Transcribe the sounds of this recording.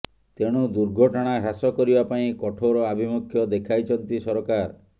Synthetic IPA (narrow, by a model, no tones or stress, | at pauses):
t̪eɽ̃ud̪uɾɡʱɔʈɔɽ̃aɦasɔkɔɾibapaĩkɔʈʰoɾɔabʱimukʰjɔd̪ekʰajt͡ʃʰɔnt̪isɔɾɔkaɾ